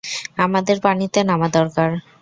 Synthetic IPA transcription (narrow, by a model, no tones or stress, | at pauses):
amad̪eɾbanit̪enamad̪ɔɾkaɾ